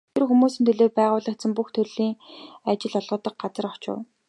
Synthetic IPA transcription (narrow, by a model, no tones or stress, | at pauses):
t̪ʰerxumuːsĭnt̪ʰɵɮoːpæːʁʊːɮə̆kt̪sə̆mpuxt̪ʰɵrɮiːŋat͡ɕɪ̆ɮɔɮʁə̆ːt̪ə̆k̚ɢat͡sə̆rɔt͡ɕʊ̰̆w